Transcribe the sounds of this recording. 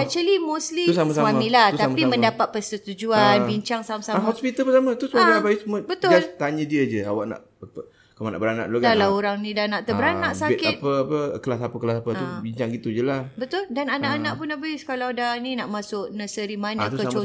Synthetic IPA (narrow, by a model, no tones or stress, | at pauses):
at͡ʃəlimuslisamaaamĩlaht̪apimə̃ndapat̪̚pəsət̪ud͡ʒuanbiɲt͡ʃaŋsamasaamɦɔspit̪əlpəsamat̪usaabaisməbət̪ʊalt̪aɲə̃diəd͡ʒəa̰waʔna̰ʔ | apə | kamana̰ʔbəɾana̰ʔloɡalaoɾaŋnĩdanaʔt̪əbəɾanaʔsakɪt̪̚pəapəkəlasapəkəlasapəubiɲt͡ʃaŋɡit̪ud͡ʒəlabət̪ʊldananaʔanaʔpʊnabaiskalawdaninaʔmãsʊʔnəsəɾimanat̪kət͡ʃo